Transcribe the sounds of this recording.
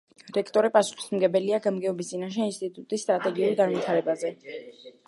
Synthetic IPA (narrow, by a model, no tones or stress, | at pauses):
ɾɛkʰt̪ʼɔɾipʼasu̥χi̥smɡɛbɛliaɡamɡɛɔbis̬t̪ʼinaʃ̬ɛinst̪ʼit̪ʼut̪ʼisːt̪ʼɾat̪ʼɛɡiuɾɡanvit̪ʰaɾɛbazɛ